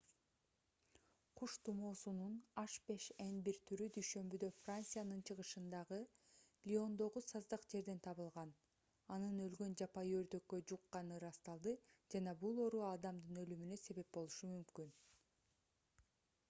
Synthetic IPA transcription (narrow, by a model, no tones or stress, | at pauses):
qʰuʃt̪umo̞ːsununɑʃbe̞ʃenbiɾt̪ʰyɾyd̪yjʃø̞mbyd̪ø̞frant̪sɨjanɯnt͡ʃʰɯʁɯʃɯnd̪ɑʁɯlʲio̞nd̪o̞ʁusɑzd̪ɑqd͡ʒe̞ɾd̪e̞nt̪ʰɑβɯlˠʁɑn | ɑnɯnø̞lɡø̞nd͡ʒɑpɑjø̞ɾd̪ø̞kːø̞d͡ʒuqːɑnɯɾɑst̪ɑlˠd̪ɯd͡ʒɑnɑbulˠo̞ɾuɑd̪ɑmd̪ɯnø̞lymynø̞se̞βe̞p̚bo̞lˠuʃumymkyn